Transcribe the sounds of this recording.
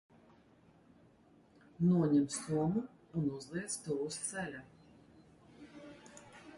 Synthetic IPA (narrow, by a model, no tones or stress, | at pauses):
nuɔɲɛmst̪uɔmu | unuzlˠiɛt̪st̪uːwust̪sɛlʲa